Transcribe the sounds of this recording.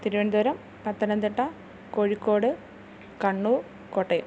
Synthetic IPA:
t̪iɾuʋɐnd̪uɾɐm | pɐt̪ːɐnɐnt̪iʈːɐ | koːɻikːo̞ːɽɨ | kɐɳːuː | koːʈːɐju

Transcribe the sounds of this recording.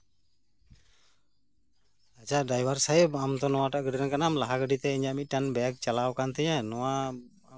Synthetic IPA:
at͡ʃaɖajbaɾsajbamt̪ɔnɔwaʈaʔɡəɖɾɛnkanamlaɦaɡəɖit̪ɛiɲaʔmic̚ˀʈanbɛjak̚t͡ʃalawkant̪ɛɲanɔwa

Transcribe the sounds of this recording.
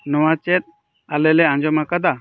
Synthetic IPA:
nɔwat͡ʃɛt̪̚ | aleleãɲd͡ʒɔmakad̪a

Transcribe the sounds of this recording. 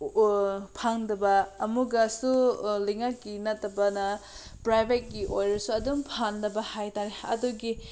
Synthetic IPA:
pʰaŋdɐbɐːmuɡɐsulɐjŋak̚ːinɐtːɐbɐnɐpɾajbʱet̚ɡiʔojɾɐsuɐdumpʰandɐbɐhajtaɾeɐ̰duɡi

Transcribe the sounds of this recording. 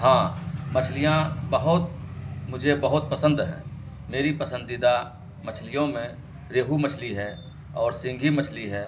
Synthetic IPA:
ɦãːmət͡ʃʰlijãbəɦʊt̪̚mʊd͡ʒʱebəɦʊt̪̚pəsə̃nd̪ɦɛ̰̃ː | meːɾipəsə̃nd̪ɪd̪a | mət͡ʃʰlijõmẽ | ɾeːɦumət͡ʃʰliɦɛː | ɔːɾsɪ̃ŋɡʱimət͡ʃʰliɦɛː

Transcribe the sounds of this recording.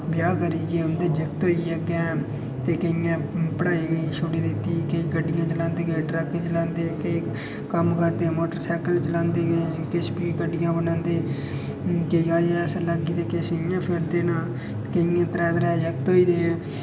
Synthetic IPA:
bjaːkəɾiːd͡ʒeːʊnd̪eːd͡ʒək̚t̪oːiːɛɡɛː | t̪eːkəijãːpəɽaːiːɡʃʊɽiːd̪ɪt̪ːiːkəiːkəɖɪjãːt͡ʃəlãːnd̪eːɡeːɖɾəkt͡ʃəlãːnd̪eːkəiː | kəmkəɾd̪eːmoːʈəɾsɛːkəlt͡ʃəlãːnd̪eːɡekespiːkəɖɪjãːbənãːnd̪eː | kəiːaːd͡ʒːsẽləɡiːd̪eːkesɪjãːpʰɪɾd̪eːnãː | kəijãːt̪ɾɛːd̪ɾɛːd͡ʒək̚t̪oːiːd̪eː

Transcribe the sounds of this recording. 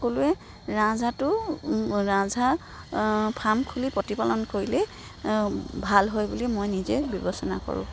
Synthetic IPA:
koluɛ | ɹãzatʊ | ɹãzʱa | pʰamkʰulipɹotipalɔnkoɹilɛ | bʱalɦojbulimojnizɛbjɔbɔsɔna̰ko̰ɹʊ̰̃

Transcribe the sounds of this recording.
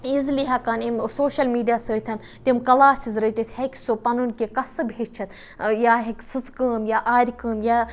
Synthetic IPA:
izliɦɐkanimsoːʃɐlmiːɖijaːsəːt̪ʰʲɐn | t̪ʲimkɐlaːsizɾət̪ʲit̪ʲhekʲsupɐnunʲkikɐsɨbʱeːd͡ʒt͡ʃʰɐt̪ | jaːɦekʲsɨzkəːmjaːʔaːɾʲkəːmjaː

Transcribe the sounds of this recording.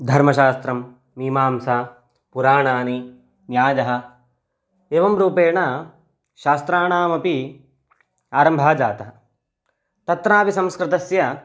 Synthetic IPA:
d̪ʱɐɾmɐʃaːst̪ɾɐmː | iːmaːmsaː | puɾaːɳaːni | njaːd͡ʒɐɦɐ̆ | eːʋɐmɾuːpeːɳɐ | ʃaːst̪ɾaːɳaːmɐpi | aːɾɐmbʱaːd͡ʒaːt̪ɐɦɐ | t̪ɐt̪ɾaːpisɐ̃mskɾɪt̪ɐsjɐ

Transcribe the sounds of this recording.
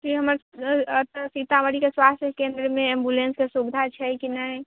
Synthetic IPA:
kiɦəməɾt̪sit̪aməɾikeswast̪ʰjəkẽnd̪ɾmeembulenskesubd̪ʱat͡ʃʰɛkinəj

